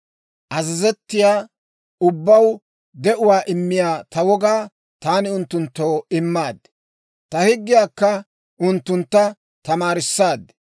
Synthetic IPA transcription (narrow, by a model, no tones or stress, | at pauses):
ʔɐzɪzɛt̪ːɪjaː | ʊbːɐw | d̪ɛʔʊwaːʔɪmːɪjaːt̪ɐwɔɡaː | t̪aːnɪʊnt̪ːʊnt̪ːo̞ːɪmːaːd̪ | t̪ɐhɪɡːɪjaːkːɐ | ʔʊnt̪ːʊnt̪ːɐ | t̪ɐmaːɾɪsːaːd̪